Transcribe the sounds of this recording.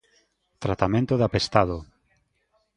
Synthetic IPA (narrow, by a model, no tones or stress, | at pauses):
t̪ɾat̪amẽnt̪oðapest̪aðo